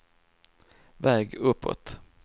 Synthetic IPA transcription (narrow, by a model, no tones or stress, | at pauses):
vɛːɡɵpʰːɔ̰t̪